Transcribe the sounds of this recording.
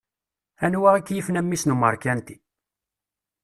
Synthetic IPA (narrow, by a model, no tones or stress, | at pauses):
ænwæʁækːjifnæmːisnumə̰ɾˤkænt̪i̥